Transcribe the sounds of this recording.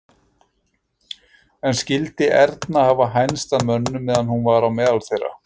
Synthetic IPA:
ɛnscɪlt̪ɪʔɛɾt̪nahaːvaɦajnst̪aðmœnːʏmːɛːðanhunvaːɾawmɛːðalθejrːa̰

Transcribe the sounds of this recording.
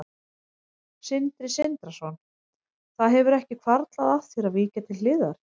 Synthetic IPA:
sɪnt̪ɾɪsɪnt̪ɾasɔn | θaðɦɛvʏɾɛhcɪkʰvaɾt̪laðaθjɛɾaðviːcat̪ʰɪlːɪːðaɾ̥

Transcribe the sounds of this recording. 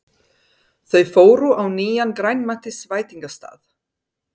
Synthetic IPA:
θœɥfoːwɾʏʔawniːjankɾajnmat̪ɪsvaːjt̪iŋkast̪a̰ːθ

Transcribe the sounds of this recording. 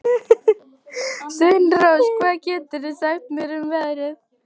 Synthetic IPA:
senrowskʰvaːðcɛːt̪ʏɾðɪsaxt̪mɪɾʏmvɛðɾɪð

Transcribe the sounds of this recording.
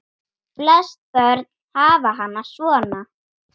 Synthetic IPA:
plɛst̪̚pœɾt̪nhaːvaɦanːasvɔːna

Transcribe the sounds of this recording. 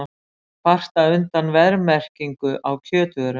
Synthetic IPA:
far̥t̪aʏnt̪anvɛðɾmɛr̥ciŋkʏʔawcʰœːt̪vœɾʏ

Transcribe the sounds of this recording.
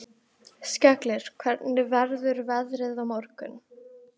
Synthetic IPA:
scɛklɪɾ̥kʰvɛɾt̪nɪvɛɾðʏɾvɛðɾɪðawmɔɾkʏ̰n

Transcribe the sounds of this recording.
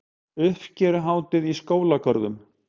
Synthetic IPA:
ʏhfcɛɾɦaːwt̪ɪðiskoːwlakʰœɾðʏm

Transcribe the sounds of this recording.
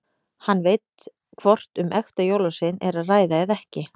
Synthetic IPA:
hanːvejt̪ | kʰvɔr̥t̪ʏmʔɛxt̪ajowlasɪnɛɾaðraːjðaɛðɛhcɪ

